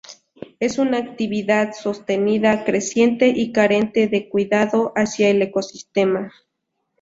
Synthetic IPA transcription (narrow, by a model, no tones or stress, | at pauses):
e̞sunaːk̚t̪iβiðaðsost̪eniðakɾesje̞nt̪eʔikaɾent̪eðekwiðaðoʔasjaelekosist̪ema